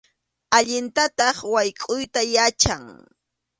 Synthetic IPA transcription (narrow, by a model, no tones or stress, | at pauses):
aʎɪnt̪at̪ɑχwajkʼʊjt̪ajat͡ʃaŋ